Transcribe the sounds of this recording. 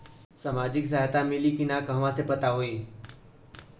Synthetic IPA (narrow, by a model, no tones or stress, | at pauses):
saːmaːd͡ʒɪks̬aɦjt̪amɪlikinãkəɦʋãsepɐt̪aɦoiː